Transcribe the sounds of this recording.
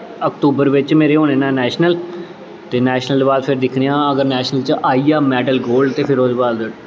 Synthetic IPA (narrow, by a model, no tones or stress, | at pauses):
ək̚t̪uːbəɾʋɪt͡ʃmeːɾeːɦoːneːnãːnɛːʃnəl | t̪eːnɛːʃnəld̪baːlpʰɪɾd̪ɪkʰɽeːãːəɡəɾnɛːʃnəlt͡ʃəʔaːiːaːmɛːɖəlɡoːlɖt̪eːpʰɪɾod͡ʒbaːld̪